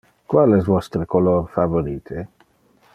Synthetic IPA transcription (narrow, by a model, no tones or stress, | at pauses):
kwalɛzvɔst̪ɾekolorfavoɾiːt̪ʰe